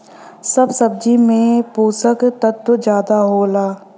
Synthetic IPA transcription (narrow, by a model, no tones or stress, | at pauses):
sɐbsɐb̚d͡ʒimẽpuːsəkt̪ət̪ːəd͡ʒjaːd̪aɦoːlaː